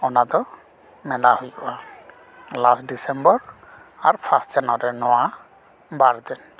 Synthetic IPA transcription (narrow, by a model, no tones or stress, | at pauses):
ɔnad̪ɔ | mɛlahojɔʔa | lasdisɛmbɔɹ | aɾpʰastd͡ʒanɔɾɛnɔwa | baɾd̪ɛn